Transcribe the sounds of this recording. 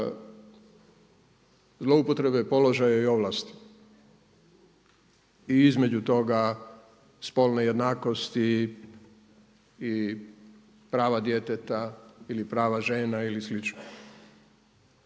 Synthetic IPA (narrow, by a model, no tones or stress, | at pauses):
zlo̞upo̞t̪ɾe̞bepo̞lo̞ʒajaio̞ʋlast̪i̥ | iizme̞d͡ʑut̪o̞ɡa | spo̞lˠneje̞d̪naːko̞st̪i | pɾaːʋad̪je̞t̪et̪ailipɾaːʋaʒe̞ːnailislit͡ʃno